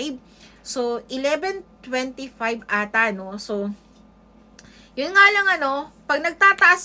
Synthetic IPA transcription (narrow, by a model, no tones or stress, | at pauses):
jb̚ | soʔɪlɛbɛnt̪wɛnt̪ifajbʔaːt̪ano̞so | jʊnŋalɐŋɐno̞pɐɡ̚nɐɡ̚t̪aːt̪ɐʔɐs